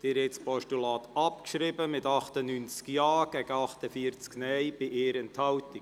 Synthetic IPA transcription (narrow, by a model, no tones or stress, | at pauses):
d̪̥ɪɾɛt͡spɔʃtulɑːt̪ɑpkʃɾɪbəmɪtɑχt̪ənynt͡skjɑːɡ̥ɛɡ̥əɑχt̪əfiːəɾt͡sknɛjb̥ɪʔeːɾɛnthɑwtik